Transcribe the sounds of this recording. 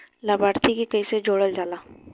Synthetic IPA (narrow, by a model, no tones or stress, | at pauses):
laːbaːɾt̪ʰikikɐised͡ʒoːɽəld͡ʒaːlaː